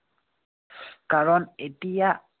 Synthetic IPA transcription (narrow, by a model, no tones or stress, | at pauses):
kaɾɔnetia